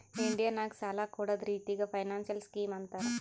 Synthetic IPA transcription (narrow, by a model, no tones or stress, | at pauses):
iɳɖijaːnaːku̥t͡ʃaːlaːkuːɽaːd̪ɾiːt̪iɡaːpʰɐjnaːnʃɐlskiːmɐnt̪aːɾu